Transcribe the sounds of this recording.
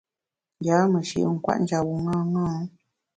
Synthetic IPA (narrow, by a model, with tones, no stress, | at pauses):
ŋɡaː˨˦mə˨ʃə̰˨˦˨ŋ̩˦˨kwa̰˦ʔn̩˦d͡ʒa˨wu˨ŋa˦ŋa˦